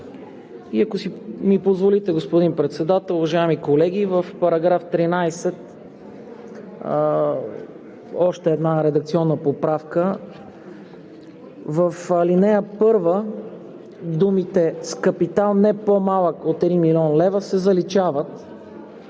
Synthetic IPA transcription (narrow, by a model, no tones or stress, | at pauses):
iɐkosimipozvolit̪ɛɡospod̪inpɾɛt̪sɛd̪at̪ɛlˠʊvɐʒaɛmikolɛɡʲivəfpɐɾɐɡɾaft̪ɾinajsɛt̪ | ɔʃt̪ɛːd̪naɾɛd̪ɐkt̪siɔnːəpopɾafkə | vəfəlinɛjəpɤɾvə | d̪umit̪ɛskəpit̪alˠnɛpomalˠəkot̪ɛd̪imiliɔnlɛvəsɛzɐlit͡ʃavət̪